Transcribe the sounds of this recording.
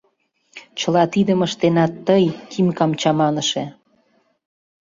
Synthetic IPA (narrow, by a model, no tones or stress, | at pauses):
t͡ɕə̆lɑt̪id̪əməʃt̪enɑt̪ːəjkʰimkɑmt͡ɕɑmɑnəʃe